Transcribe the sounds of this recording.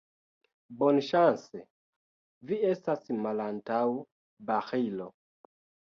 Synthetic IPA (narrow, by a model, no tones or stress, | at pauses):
bɔnʃansɛ | viɛstasimalantaw | baxilɔ